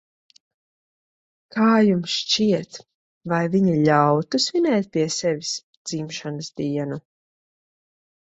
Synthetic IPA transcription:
kaːjumsʃt͡ʃiɛt̪ | vajviɲiʎawt̪usvinɛːt̪̚pʲiɛsɛvis | d̪z̥imʃanəsd̪iɛnu

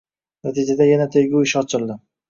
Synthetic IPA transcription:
nat̪ʰid͡ʒad̪ajanat̪ʰeɡʲuɪʃɒt͡ʃʰɪlˠd̪ɪ

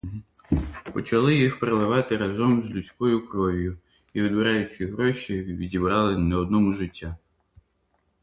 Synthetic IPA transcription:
pɔt͡ʃɐlˠɪjixpɾelˠɪʋɑt̪ɪɾɐzɔmzʲlʲut͡sʲkɔjʊkɾɔʋʲjʊ | iʋʲɪd̪bɪɾɑjʊt͡ʃɪɦɾɔʃʲiʋʲidʲibɾɑlˠɪnɛɔd̪̚nɔmʊʒɪtʲːa

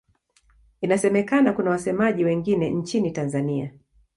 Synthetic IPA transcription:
inasɛmɛkanakunawasɛmaʄiwɛŋɡinɛn̩t͡ʃinitanzania

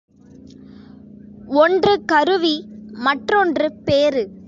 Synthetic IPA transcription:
ɔndrɯkɐɾɯʋimɐʈrɔndrɯpeːɾɯ

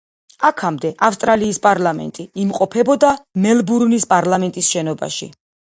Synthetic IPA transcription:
akʰamd̪ɛʔafst̪ʼɾaliːspʼaɾlamɛ̰nt̪ʼiːmqʼɔpʰɛbɔd̪amɛlbuɾnispʼaɾlˠamɛnt̪ʼisʃɛnɔba̰ʃḭ

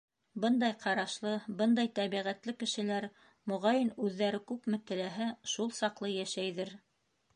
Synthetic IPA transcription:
bɤnd̪ɑjqʰɑɾɑʃlˠɤbɤnd̪ɑjt̪æβiʁæt̪lɘkɘ̆ʃɘ̆læɾ | mŏʁɑjɘnʉðːæɾɘkʉpmɘt̪ɘ̆læɦæʃulˠsɑqlˠɤjæʃæjðɘɾ

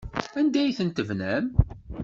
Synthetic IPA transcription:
ænd̪æjθənt̪əvnæm

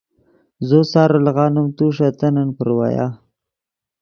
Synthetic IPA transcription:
zosɑːɾəlɣɑːnʊmt̪uʂat̪ananpəɾwa̰jɑ̰

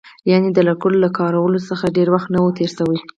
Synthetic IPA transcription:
jɑned̪əlakʊllakʰɑɾawəlosəxaɖeɾwaxt̪nawət̪eɾsawəj

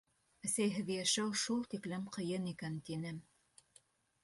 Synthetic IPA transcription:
æsæjɦɘ̆ðɘjæʃæwʃulˠt̪iklɘmqɤ̆jɤnikænt̪inɘm

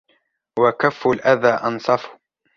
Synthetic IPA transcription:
wakafːʊlʔaðaːʔɑnsˤɑfʊ̥

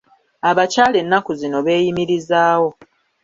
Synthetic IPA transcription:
aβacaːle̞nːakuzino̞βe̞ːjimiɾizaːwo̞

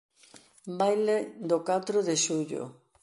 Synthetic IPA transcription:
bajled̪okat̪ɾoðeʃuʎo̰

